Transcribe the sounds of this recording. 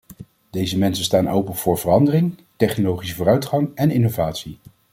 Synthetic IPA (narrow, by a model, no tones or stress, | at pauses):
d̥ejzəmɛnsənstaːnowpənv̥ʊːɹv̥ərɑndərɪŋtɛχnolowχisəvʊːrœɥtχɑŋɛnɪnovaːtsi